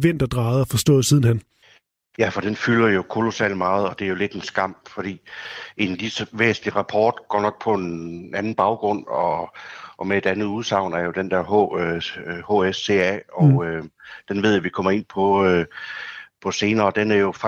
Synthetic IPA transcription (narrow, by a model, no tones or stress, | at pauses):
ʋen̰d̥ɐd̥ʁɑ̈ːð̩ˠɒfɒ̽sd̥ɔ̰ːð̩ˠsiːð̞ˠn̩hæn | jæfɒ̽d̥enfylɐjo̝kʰo̝lo̝sɛ̰ːl̰̥mɑ̈ːð̞̩ˠɒ̽d̥e̝æjo̝le̝d̥e̝nsɡ̥ɑ̈m̰fɒ̽ɾ̥ḭːe̝nlisəʋḛːsn̩liʁɑ̈pʰɒːd̥ɡ̥ɒ̰ːnɒ̽ɡ̥̚pʰɒ̽enænn̩b̥ɑ̈ʊɡ̥ʁɔ̽n̰ɒ̽ʔːmee̝d̥ænð̩ˠuð̞ˠsɑ̈ʊ̰nɐæɐjo̝d̥end̥ɛɐ̰ɦo | hoːesːe̝̰ːæɒʊød̥enʋe̝ð̞̰ˠjoʋikʰɒ̽m̰ɐe̝n̰pʰɒ̽ø | pʰɒ̽se̝ːnɐːd̥enæɐjo̝fɑ